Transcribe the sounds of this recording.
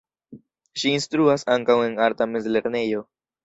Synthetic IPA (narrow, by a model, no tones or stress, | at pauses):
ʃiːnstɾuasaŋkawe̞naɾt̪amezle̞ɾne̞jo̞